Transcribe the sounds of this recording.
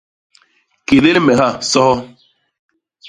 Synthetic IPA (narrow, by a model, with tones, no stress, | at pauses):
ke˨ðe˦lmɛ˨ɦa˦˨sɔ˦hɔ˦